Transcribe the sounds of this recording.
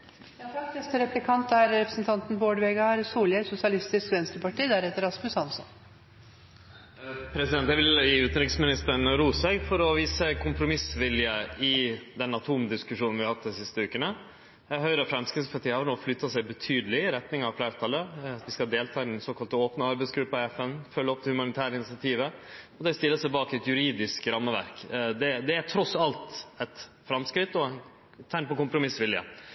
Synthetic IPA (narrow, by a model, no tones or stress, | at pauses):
jɑt̪ʰɑkːnɛst̪əɾɛplɪkʰɑnt̪æɾɾɛpɾəsn̩t̪ʰɑnt̪n̩boːɖʋeːɡɑɾsuːljəɾsʊsɪɑlɪst̪ɪskʋɛnst̪ɾəpɑʈʰiːd̪æɾɛt̪ːəɾɑsmʉsɑnsɔ̰n | pʰɾɛs̬ɪd̪ɛnt̪jæɪʋɪljiːʉːt̪nɾɪksmɪnɪst̪əɳɾuːsʋɛɡfɔɾɔʋiːsəkʰʊmpɾʊmɪsʋɪljəɪd̪ɛnɑt̪ʰuːmd̪ɪskʉʂuːnn̩ʋɪhɑhɑt̪ːd̪ɪsɪst̪əʉːkənə | jæɦœʏɾəɑfɾɑmskɪsəpʰɑt̪iːhɑɾnoːflʏt̪ːɑsæɪbət̪ʰyːd̪əlɪɾɛt̪nɪŋɑʋflæːɾt̪ʰɑlːəʋɪskɑd̪eːlt̪ʰɑːɪnnsoːkɑlt̪əoːpnəɑɾbæɪsɡɾʉpːɑɛfɛnfœlːəɔp̚t̪ɪlhʉmɑnɪt̪ʰæːɾəɪnɪsɪɑt̪ʰiːʋəɔd̪ɛst̪ɪlːəsæɪbɑːkɪɛt̪jʉɾiːd̪ɪskɾɑmːəʋæ̰ɾkd̪ɛd̪ɛæʈʰɾɔsɑlt̪ɛt̪ | fɾɑmskɾɪt̪ːɔn | t̪ʰænpɔkʊmpɾʊmɪsʋɪljə̰